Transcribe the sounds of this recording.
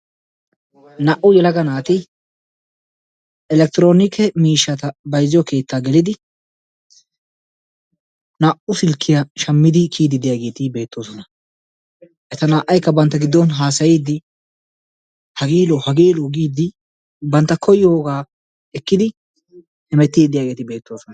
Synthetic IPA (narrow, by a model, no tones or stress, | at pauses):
nɐʔʊjɛlɐɡɐnaːt̪ɪ | ʔɛlɛk̚t̪ɪɾo̞ːnɪkʰɛmiːʃːɐt̪ɐbɐjzɪjɔke̞ːt̪ːaːɡɛlɪd̪ɪ | naʔʊsɪlkʰːɪjɐʃɐmːɪd̪ɪkʰiːd̪ɪd̪ɪjaɡe̞ːt̪ɪbe̞ːt̪ːoːsɔnɐ | ʔɛt̪ɐnaːʔːɐjkːɐbɐnt̪ːɐɡɪd̪ːɔnɦaːsɐjiːd̪ːɪ | hɐɡeːlɔhɐɡeːlɔɡiːd̪ːɪ | bɐnt̪ːɐkʰɔjo̞ːɡaː | ɛkːɪd̪ɪ | hɛmɛt̪ːiːd̪ɪjaːɡe̞ːt̪ɪbe̞ːt̪ːo̞ːsɔnɐ